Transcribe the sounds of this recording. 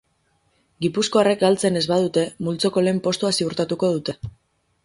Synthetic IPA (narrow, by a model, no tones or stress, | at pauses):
ɡipusko̞arekalt͡se̞ne̞zβað̞ut̪e̞mult͡so̞ko̞le̞ːmpo̞st̪uasiuɾt̪at̪uko̞ð̞ut̪e̞